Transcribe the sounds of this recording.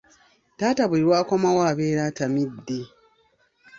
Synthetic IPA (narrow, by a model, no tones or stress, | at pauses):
taːtaβuliɾwaːkomawaːβeːɾaːtamidːe